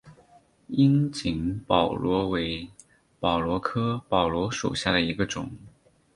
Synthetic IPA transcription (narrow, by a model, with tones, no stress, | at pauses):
i˥nt͡ɕi˧˥ŋpɑ˨˩ʊlwɔ˧˥we˧˥ɪ | pɑ˨˩ʊlwɔ˧˥kʰɤ˥pɑ˨˩ʊlwɔ˧˥ʂṵ˨˩ɕja̰˥˩d̪ə˩i˧˥ɡə˧ʈ͡ʂʊ̰˨˩˦ŋ